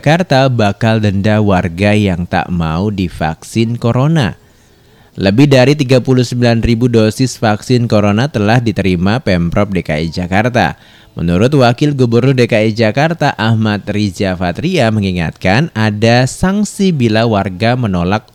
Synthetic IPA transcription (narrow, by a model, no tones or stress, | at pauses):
kart̪abakaldəndawarɡajaŋt̪a̰ʔmaudifa̰ksɪnkoɾona̰ | ləbɪhdaɾit̪iɡapuluhsəmbilanribudosɪsfaksɪnkoɾonat̪əlahdit̪əɾimapɛmpɾɔp̚deka̰id͡ʒakart̪a̰ | mə̰nuɾʊt̪̚wakɪlɡubərnʊrdekaid͡ʒakart̪aʔahmat̪̚rid͡ʒafat̪ɾiaməŋiŋa̰t̪̚kanadasaŋsibilawarɡamənolak̚